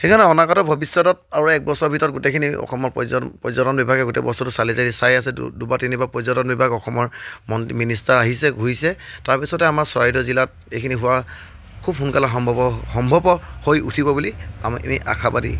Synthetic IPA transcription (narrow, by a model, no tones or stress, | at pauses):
xekʰanɛɔnakatɔbʱɔbisːɔtɔt̚aɹuɛk̚bɔsɔɹbʱitɔɹɔt̚ɡutekʰiniɔ̰xʰɔmɔɹpzpɹɔzɔtɔnbibʱaɡɛɡutḛbɔsɔtʊsalizadisajasɛ̰dubatinibapɹɔzɔtɔnbibʱaɡɔxɔmɔɹmɔntiministaɹaɦisɛɡʱuisɛtaɹpisɔtɛamaɹsɔaidɔzilat̚ | ejkʰiniɦʊwa | kʰubɦunkalaxɔmbʱɔɔxɔmbʱɔbɔhojṵtʰibɔbulia̰m̰mḭʔa̰kʰabadḭ